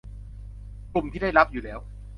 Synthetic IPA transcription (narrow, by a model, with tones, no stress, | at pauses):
klu˨˩mt̪ʰiː˥˩da˥˩jɾa˦˥p̚juː˨˩lɛː˦˥w